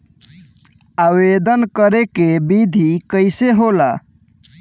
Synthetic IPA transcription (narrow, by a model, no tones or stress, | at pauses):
awed̪ənkəɾekebid̪ʱikəɪseɦola